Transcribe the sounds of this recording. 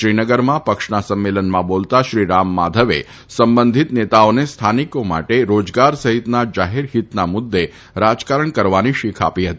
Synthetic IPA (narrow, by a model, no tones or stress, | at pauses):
ʃɾinəɡəɾmãpəkʂnasəmːelənmãbolt̪aʃɾiɾamːad̪ʱəʋḛ | səmbənd̪ʱit̪net̪aonest̪ʰanikoma̰ʈeɾod͡ʒɡaɾsəɦit̪nad͡ʒaɦiɾɦit̪namʊd̪ːe | ɾad͡ʒkaɾəɳkəɾʋaniʃikʰa̰piɦət̪ii